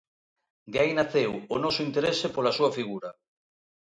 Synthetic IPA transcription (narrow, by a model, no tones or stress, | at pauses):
d̪ajnaθewonɔsoint̪eɾesepolasuafiɣuɾa